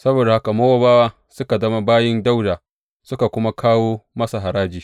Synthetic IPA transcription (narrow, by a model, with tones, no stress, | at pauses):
sɐ˦boː˨da˨ha˦ka˨mo˦wa˦baː˦waː˦ | sʊ˦ka˨dɐ˦ma˦baː˦jɪ˦nda˦wdaː˨ | sʊ˦ka˨kʷʊ˦ma˦kʰaː˦woː˦mɐ˦sa˨ɦa˨ɾaː˦d͡ʒiː˨